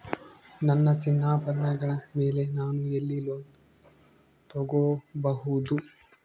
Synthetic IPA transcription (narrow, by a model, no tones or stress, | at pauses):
nɐnːɐt͡ʃinːaːbɐɾɐɳɐɡɐɭɐme̞ːle̞naːnuelːiloː | t̪ɔɡobɐɦud̪u